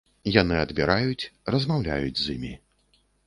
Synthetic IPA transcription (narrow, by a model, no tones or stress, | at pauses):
janɨɐd̪bʲiɾajut͡sʲrɐzmawlʲa̰jud͡zʲzʲimʲi